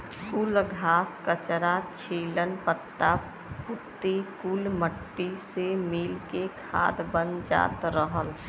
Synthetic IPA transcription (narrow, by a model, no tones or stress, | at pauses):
kuləɡʱaːskət͡ʃɾat͡ʃʰeːlənpət̪ːa | pʊt̪ːekulməʈːisemiːlkekʰa̰ːd̪bənd͡ʒa̰ːt̪ɾəɦəl